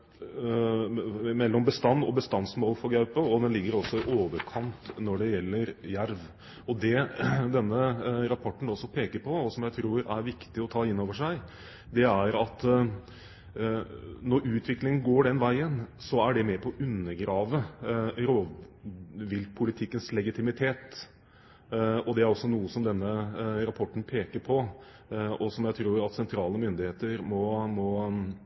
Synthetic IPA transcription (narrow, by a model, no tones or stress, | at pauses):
mɛlːɔmbəst̪ɑnːɔbəst̪ɑnsmoːlfɔɾɡɑʉpəɔd̪ɛnlɪɡːəɾɔsːɔɪʔoːʋəɾkʰɑnt̪nɔɖɛjɛlːəɾjæɾʋ | ɔd̪ɛd̪ɛnːəɾɑpʰɔʈːɳ̩ɔsɔpʰeːkəɾpʰɔːsɔmjæɪt̪ʰɾuːɾæ̰ɾʋɪkt̪ɪɔt̪ʰɑːɪnːoːʋəʂæɪ | d̪ɛæɾɑt̪ | nɔɾʉːt̪ʰʋɪklɪŋənɡoːɖɛnʋæɪənsɔæɖɛmɛpʰɔʔʉnːəɡɾɑːʋəɾoːd | ʋɪl̚pʰʊlɪt̪ʰɪkːənslɛɡɪt̪ʰɪmɪt̪ʰeːt̪ | ɔd̪ɛæɾɔsːɔnuːəsɔmd̪ɛnːəɾɑpʰɔʈːɳ̩pʰeːkəɾpʰɔ | ɔsɔmjæɪt̪ʰɾuːɾɑt̪sɛnt̪ʰɾɑːləmʏnd̪ɪheːt̪əɾmɔmɔ